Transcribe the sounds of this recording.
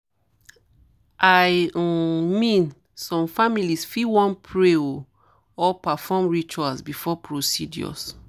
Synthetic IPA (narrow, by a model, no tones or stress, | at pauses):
ʔaj | mĩn | sɔ̃mfamilisfiwɔ̃npʰɹeo | ɔpafɔmɹit͡ʃuasbifɔpʰɹosidjɔ̰s